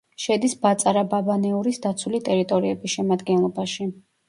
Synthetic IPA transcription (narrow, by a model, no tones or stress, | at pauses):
ʃɛd̪isbat̪sʼaɾababanɛuɾisd̪at̪sʰwulit̪ʼɛɾit̪ʼɔɾiɛbisʃɛmad̪ɡɛnlˠɔbaʃi